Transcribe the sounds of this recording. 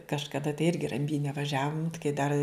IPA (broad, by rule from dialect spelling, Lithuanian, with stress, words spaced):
kɐʃkɐˈdɐ tɐɪ ˈɪrʲɡʲɪ rɐmʲˈbʲiːnʲɛ ʋɐˈʒʲæːʋʊm kɐɪ dɐr